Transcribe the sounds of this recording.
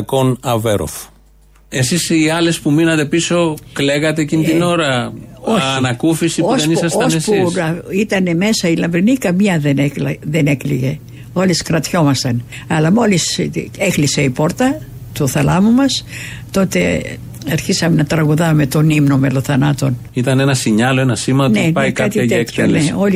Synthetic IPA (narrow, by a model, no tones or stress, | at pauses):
konɐveɾo̰f | e̞sisiɐle̞spuminɐt̪e̞piso̞kle̞ɣɐt̪eːcinit̪iino̞ɾɐoçiɐnɐkufisiousðenissɐstoɐnsespusɐit̪ɐne̞me̞sɐilɐmvɾinikɐmɲɐðeneklðenekliʝe̞ | o̞liskɾɐt̪ço̞mɐst̪ɐn | ɐlɐmo̞lisexliseipo̞ɾt̪ɐ | t̪oθɐlɐmumɐst̪o̞t̪e̞ | ɐɾçisɐmenɐt̪ɾɐɣuðɐme̞t̪o̞nimno̞meloθɐnɐt̪o̞nit̪ɐnenɐsiɲɐlo̞enɐsimɐt̪onepɐikɐt̪iɐekselneoli